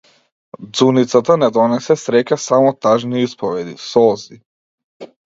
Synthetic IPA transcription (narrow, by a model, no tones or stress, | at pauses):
d̪zunit̪sat̪anɛd̪ɔnɛsɛsɾɛcasamɔt̪aʒniispɔvɛd̪ḭsɔzi